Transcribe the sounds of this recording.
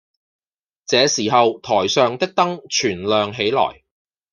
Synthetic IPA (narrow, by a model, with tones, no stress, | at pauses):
t͡sɛː˨˧siː˨˩ɦɐ˨wt̪ʰɔː˨˩jsœː˨˧ŋt̪ɪ˥k̚t̪ɐ˥ŋt͡ʃʰyː˨˩nlœː˨ŋɦe˨˥jlɔ̰ː˨˩j